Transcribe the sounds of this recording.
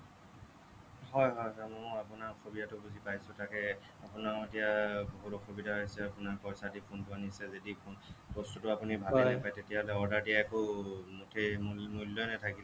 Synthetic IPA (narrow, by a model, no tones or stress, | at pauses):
hɔjɦɔjɦɔmɔapʊnaɹxʰobidatʊbuzipajsʊtakɛ | apʊnaɹetijaboɦutɔxubidʱaɦojsɛapʊnaɹpɔjsadipʰontʊanisɛzedipʰonpɔstutʊapunibʱadelepajtetijaɦɔlɛɔɹdaɹdijaɛkʊmtʰemmulːɔnɛtʰakilɛ